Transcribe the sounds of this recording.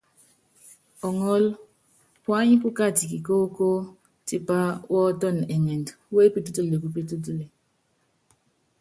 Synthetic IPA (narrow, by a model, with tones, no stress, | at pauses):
ɔ˨ŋɔ˦l | pwa˦ɲi˦pu˦ka˦˨ti˨ki˨ko˦ko˦ | ti˨pa˦wɔː˦tɔ˦˨n˨ɛ˨ŋe˨ndwe˦pi˦tu˦tu˦le˨ku˨p̬i˦tu˦tu˦le˨